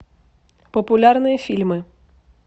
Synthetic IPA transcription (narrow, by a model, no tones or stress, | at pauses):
pɔpʊlʲarnɨjɐfʲilʲmɨ